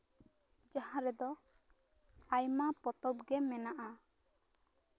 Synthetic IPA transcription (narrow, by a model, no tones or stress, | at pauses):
d͡ʒahãɾɛd̪ɔ | ajmapɔt̪ɔb̚ɡɛmɛnaʔa